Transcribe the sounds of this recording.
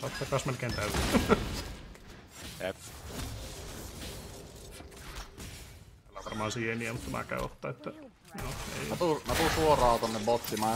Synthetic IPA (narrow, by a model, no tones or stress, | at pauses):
ɑt̪ːɑkɑsmænkent̪æyæ | ep | ælːæʋɑrmɑɑnsiːeniæmut̪t̪æmæ̰kæ̰yo̰t̪ːɑet̪ːæ | joːḛˑiæt̪umæt̪usuorɑːˑot̪onːebot̪ːimɑ